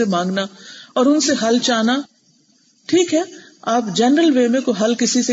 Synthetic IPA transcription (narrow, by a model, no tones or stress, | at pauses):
emãːŋɡnaɔːɾʊnseɦɐlt͡ʃaːna | ʈʰiːkɦɛː | aːpd͡ʒɛnɾəlʋeːmẽkoɦɐlkɪsise